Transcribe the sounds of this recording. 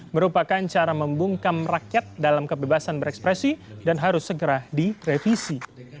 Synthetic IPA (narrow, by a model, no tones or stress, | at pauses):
məɾupakant͡ʃaɾaməmbuŋkamrakjat̪̚dalamkəbebasanbəɾɛkspɾesidanɦaɾʊsːəɡəɾadirefisi